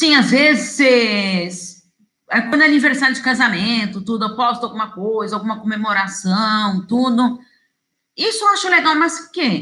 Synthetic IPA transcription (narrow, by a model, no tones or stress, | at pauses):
sĩazvezɪses | ɛkwɐ̃nd̪ɛaniveɾsaɾʊd͡ʒɪkazamẽnt̪ʊt̪ud̪ʊɛwpɔst̪ʊawɡũmɐkojzɐawɡũmɐkõmemoɾasɐ̃w̃t̪ud̪ʊ | isʊeaʃʊleɡawmɐsʊke